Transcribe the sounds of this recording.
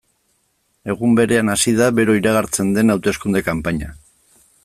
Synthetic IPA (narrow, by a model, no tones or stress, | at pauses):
e̞ɣ̞umbe̞ɾe̞anasið̞aβe̞ɾo̞iɾaɣ̞aɾt͡se̞nd̪e̞nawt̪e̞skund̪e̞kampaɲa